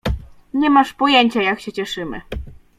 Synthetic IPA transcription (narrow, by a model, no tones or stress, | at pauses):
ɲɛmaʂpɔjeɲt͡ɕajakɕɛt͡ɕɛʂɘmɘ̰